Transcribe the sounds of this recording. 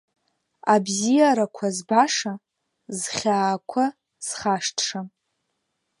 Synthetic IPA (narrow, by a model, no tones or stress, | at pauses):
abzijaɾakʷʰazbaʂa | zχʲaːkʷʰa | z̥χaʂtʰʂa